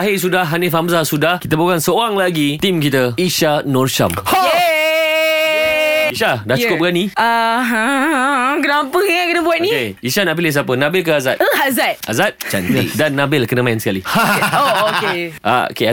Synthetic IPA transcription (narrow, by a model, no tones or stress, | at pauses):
aɦis̬udahɦanefamsasudahkit̪əbaukansəoɾaŋlaɡit̪imkit̪əiʃanɔrʃa̰moe | iʃadahukʊp̚əkanĩaɦã | ɡɾampəŋakənəbuat̪̚nĩeiʃanãʔpiles̬apənãbɪlkəazat̪̚əɦazat̪̚azat̪̚t͡ʃa̰nt̪ədanːãbɪlkənəmãɪnsə̥kaliooʔa̰o̰ke